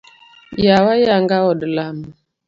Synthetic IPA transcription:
jawajaŋɡaɔdəlamə

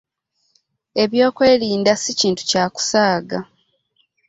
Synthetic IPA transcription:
e̞βjo̞ːkwe̞ːliːndasiciːntu̥caːku̥saːɡa

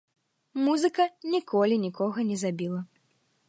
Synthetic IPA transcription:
muzɨkɐnʲikʰɔlʲinʲikʰɔɣɐnʲɛzabʲilˠɐ

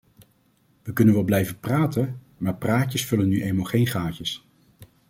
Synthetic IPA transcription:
ʋəkɵnənʋɛlˠblɛjvəpraːtən | maːɹpraːcəsfɵlənːyʔejmalˠχejnχaːcəs

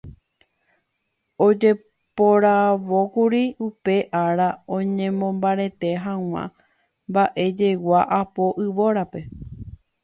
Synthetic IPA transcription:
o̞d͡ʒe̞ | po̞ɾaʋo̞kuɾiupe̞ʔaɾaõ̞ɲẽ̞mõmbaɾe̞t̪e̞ɦãw̃ã̰ | mbaʔe̞d͡ʒe̞waʔapo̞ʔɨʋo̞ɾape̞

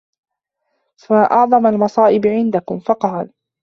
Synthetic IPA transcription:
faʔɑʕðˤɑmalmɑsˤɑːʔɪbʕɪnd̪akʊmfɑqɑːl

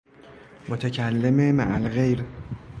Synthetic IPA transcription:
mot̪ʰecʰælːememæʔælɣe̞jɾ

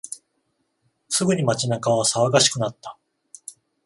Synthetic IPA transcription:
sɨɡɯ̟ɲ̟imat͡ɕinakaβasaβaɡaɕi̥kɯ̟nat̪ːa

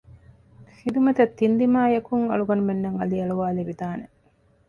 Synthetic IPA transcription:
hid̪umɐt̪ɐt̪ːind̪imaːjɐkuŋɐ̰ɭuɡɐnumenːɐŋɐ̰liɐɭuʋaːliʋid̪aːne

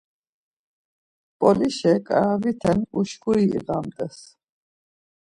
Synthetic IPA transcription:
pʼɔliʃɛkʼa̰ɾavit̪ʰɛnuʃɡuɾḭːɣamt̪ʼɛs

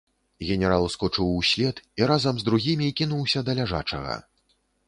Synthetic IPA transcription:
ɣʲɛnʲɛɾalˠskut͡ʂɨwsʲlʲɛt̪iɾazɐmzd̪ɾuɣʲimʲikʲinuwsʲɐd̪ɐlʲaʐa̰t͡ʂɐ̰ɣɐ̰

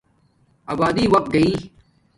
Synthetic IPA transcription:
aːbaːd̪iːʋɐk̚t̪̚ɡɐiː

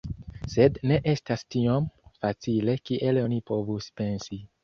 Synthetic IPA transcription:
se̞dne̞ʔe̞stastiomfat͡sile̞kiʔe̞lo̞nipo̞vuspe̞nsi

